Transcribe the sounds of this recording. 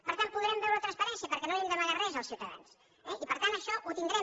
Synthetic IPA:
pəɾt̪ampuðɾɛmbɛwɾət̪ɾənspəɾɛnsiəpəɾkɛnoɛmd̪əməɣarɛzəlˠsiwt̪əða̰ns | ɛʔipəɾt̪anəʃɔʔut̪ind̪ɾɛ

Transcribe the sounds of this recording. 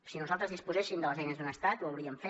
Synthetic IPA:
sinuzalˠt̪ɾəzðispuzɛʃimd̪ələzɛjnəzðunəst̪at̪uəwɾiəmfe

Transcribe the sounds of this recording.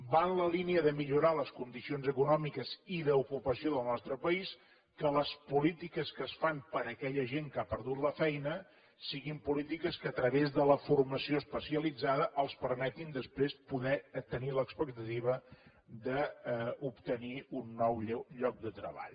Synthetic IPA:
banləliniəðəmiʎuɾaləskund̪isionzəkunɔmikəziðəukupəsioðəlˠnɔst̪ɾəpəis | kələspulit̪ikəskəsfampəɾəkɛʎəʒeŋkapəɾðut̪ləfɛjnə | siɣimpulit̪ikəskəːt̪ɾəβezðələfurməsioəspəsiəlid͡zaðəʔəlˠspəɾmɛt̪ind̪əspɾespuðɛt̪əniləkspək̚t̪ət̪iβə | d̪əupt̪əniunːɔwʎɔk̚d̪ət̪ɾə̰βa̰ʎ

